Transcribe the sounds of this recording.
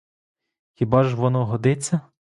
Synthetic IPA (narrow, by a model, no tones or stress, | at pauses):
xʲibɑʒʋɔnɔɦɔd̪ɪt͡sʲːɐ